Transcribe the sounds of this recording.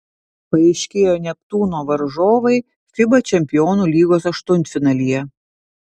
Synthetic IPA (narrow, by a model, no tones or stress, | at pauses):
pɐɛɪʃʲkʲeːjoːnʲɛk̚t̪uːnoːʋɐɾʒoːʋɐɪ | fʲɪbɐt͡ʃʲɛmʲpʲɪjɔːnuːlʲiːɡoːsɐʃt̪ʊnʲt̪fʲɪnɐlʲijɛ